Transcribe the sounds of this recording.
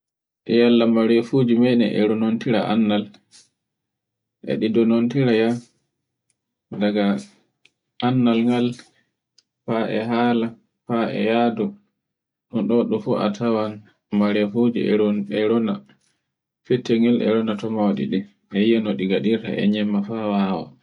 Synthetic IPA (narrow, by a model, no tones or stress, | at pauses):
ʔɛjalːamaɾefud͡ʒimɛnɛ̰ʔɛ̰ɾɔnontiɾa̰ʔa̰nːal | ʔɛ̰ɗidɔnontiɾaja | daɡa | ʔanːalŋɡal | paʔɛ̰ɦaːla | paɛ̰jadɔ | ɗunɗɔɗɔfuʔa̰tʰawan | maɾefud͡ʒḭɛ̰ɾɔnɛɾɔna | fɛtːɛŋɛlɛ̰ɾɔnatɔmawaɗḭɗɛ | ɛijɛnoɗiɡaɗiɾta̰ɛ̰ɲɛmːafawawa̰